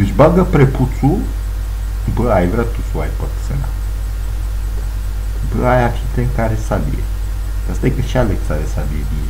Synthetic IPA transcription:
d̪ət͡ʃbaɡəpɾeput̪su | bəajvɾʲat̪usuajpat̪sḛna̰ | bəajafʲit̪eŋkaɾesalḭḛ | d̪ast̪ajkəʃialek̪saɾesadiedie

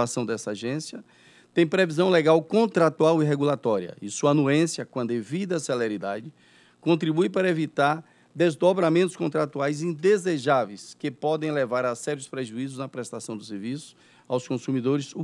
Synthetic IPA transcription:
asɐ̃w̃d̪ɛsɐaʒẽsjɐ | t̪ẽj̃pɾevizɐ̃w̃leɡawkõt̪ɾat̪uawiɦeɡulat̪ɔɾiɐ̰isuɐnuẽsjɐkwɐ̃d̪evid̪ɐseleɾid̪ad͡ʒɪ | kõnt̪ɾibujpaɾɐevit̪aɾ | d̪ezd̪obɾamẽnt̪ʊ̥skõnt̪ɾat̪uajzĩd̪ezeʒavejskɪpɔd̪ẽj̃levaɾasɛɾjʊspɾeʒuizʊznɐpɾɛst̪asɐ̃w̃d̪ʊs̬eɾvisʊ̥s | awskõsumid̪oɾɪsu

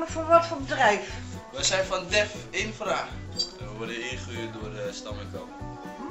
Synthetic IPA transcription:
məfoʋɔtfoːbədrɛjfʋəsɛjnfɔndɛfɪnfraːχɛnʋəʋɔrdəɪχəyːt̚dʊərəstamɪkʰo̰p

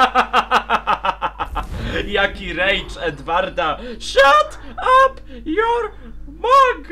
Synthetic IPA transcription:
jakʲiɾɛjt͡ʂɛd̪vaɾd̪aʃat̪ | ap | jɔɾ | maɡ

